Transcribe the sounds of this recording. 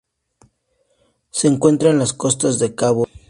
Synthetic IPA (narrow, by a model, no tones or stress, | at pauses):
se̞ːŋkwe̞nt̪ɾaenlasko̞st̪azðekaβo